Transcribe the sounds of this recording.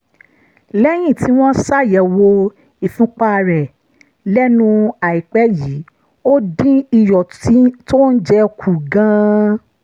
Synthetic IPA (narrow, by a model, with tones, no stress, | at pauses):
lɛ˦j̃ĩ˦˨ti˨˦w̃ɔ̃˦sa˦˨jɛ˨wo˧ | i˨fũ˨˦k͡pa˦˨ɾɛ˨ | lɛ˦nũ˧a˨i˨k͡pɛ˦ji˨˦ | o˦dĩ˦i˧jɔ˨i˦to˦n̩˦d͡ʒɛ˧˦kʰu˨ɡã˦